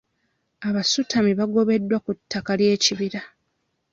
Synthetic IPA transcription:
aβasutʰamiβaɡo̞βe̞dːwakutːakalje̞ːciβiɾa

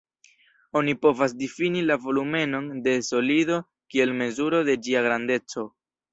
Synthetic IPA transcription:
o̞nipo̞vasdifinilavo̞lume̞no̞nde̞so̞lido̞ | kie̞lme̞zuɾo̞de̞d͡ʒiaɡɾande̞t͡so̞

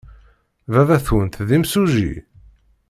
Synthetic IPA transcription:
vævæθwənt̪ðimsuʒḭ

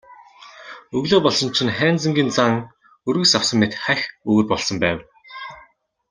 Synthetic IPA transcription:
ɵɣɮoːpɔɮsɞ̆nt͡ɕʰĭnχæːnt͡sə̆ŋɡʲiːnt͡saŋ | ɵɾɣɵ̆ksawsə̆mmːet̪χæxɵɣɵ̆rpɔɮsɞ̆mpæːw

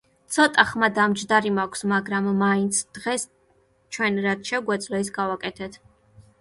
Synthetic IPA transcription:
t̪sʰɔt̪ʼaχmad̪amd͡ʒd̪aɾimakʷʰsmaɡɾamːaint̪sʰd̪̥ʁɛs | t͡ʃʰwɛnɾat̪ʃɛɡwɛd̪zlɔisɡavakʼɛt̪ʰɛt̪ʰ

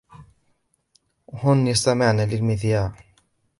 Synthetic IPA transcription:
hʊnjɪst̪amɪʕnaːlɪlmɪθjaːʕ

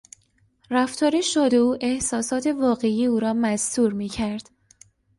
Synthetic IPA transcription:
ræft̪ʰɒːɾeʃod̪euːʔe̞hsɒːsɒːt̪ʰe̞vɒːɣe̞iːuːɾɒːmæzt̪uːɾmiːcʰæɾd̪̥

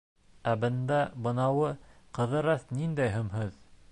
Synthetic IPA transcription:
æbɤ̆nd̪ɑbɤ̆nɑwɤqɤ̆ðɤ̆ɾɑθnind̪æjɦɵ̆mɦɵð

